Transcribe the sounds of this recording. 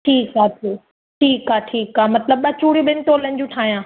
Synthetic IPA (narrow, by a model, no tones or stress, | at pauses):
ʈʰiːkaːtʰeː | ʈʰiːkaːʈʰiːkaːmɐt̪ləbːɐt͡ɕuːɽijũɓɪnɪ̆t̪olɐ̃ɲd͡ʑũʈʰaːɦijãː